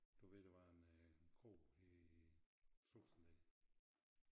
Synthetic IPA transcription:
d̥uʋe̝ð̰ˠd̥eʋɑ̈enkʰo̰ːi | soːsn̩d̥ɛ

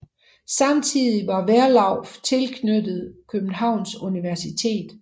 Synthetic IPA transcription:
sɑ̈mt͡sʰið̰ˠiʋɑ̈ʋæɐlɑ̈ʊft͡sʰe̝lkʰnød̥ð̩ˠkʰøb̥̚n̩ɦɑ̈ʊ̰nsuniʋæɐsit͡sʰe̝̰ːd̥

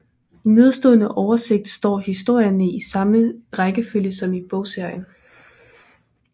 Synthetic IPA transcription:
ne̝ð̞ˠsd̥oːðˠnəʔɒʊɐse̝ɡ̥̚d̥sd̥ɒ̰ːhisd̥o̝ɐ̰jɐnəʔisɑ̈məʁaɡ̥əføljəsɒ̽mib̥ɔ̽ʊ̰se̝ɐ̰jən

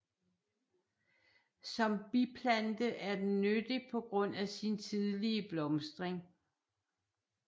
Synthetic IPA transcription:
sɒ̽mb̥ipʰlænd̥əʔæɐd̥enːød̥ipʰɒ̽ɡ̥ʁɔ̽n̰æsint͡sʰiðˠliəb̥lɒ̽msd̥ʁeŋ

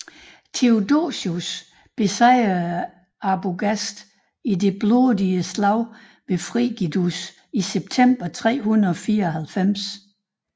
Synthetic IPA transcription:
t͡sʰe̝odo̰ɕus | b̥e̝sɑɪ̰ɐ | ɑb̥oɡ̥æsd̥ | ide̝b̥lodiəslɑ̈ʊ̰ | ʋe̝fʁḭɡ̥id̥us | iseb̥̚t͡sʰem̰b̥ɐt͡sʰʁɛ̰ːhunðɐɒ̽fiːɐɒɦælfem̰s

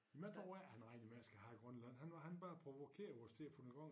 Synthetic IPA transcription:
imæd̥ɒænɑ̈ɪ̰nimæsɡ̥æhæiɡ̥ʁɶnlæn̰ɦænɑhænb̥ɑːpʰʁo̝ʋokʰe̝̰ːɐʋɒsd̥eɐfɔnəɡ̥ɒŋ

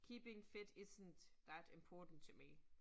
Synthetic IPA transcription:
kʰiːpɪ̃ŋfɪɾɪsn̩tðæɾɪ̃mpʰɔːtn̩tʰumi

